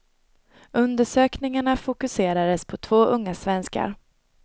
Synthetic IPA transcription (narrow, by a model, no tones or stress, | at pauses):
ɵnd̪əʂøːknɪŋaɳafʊkɵseːɾad̪əspʰɔt̪ʰvoːʔɵŋːasvɛnska̰ɾ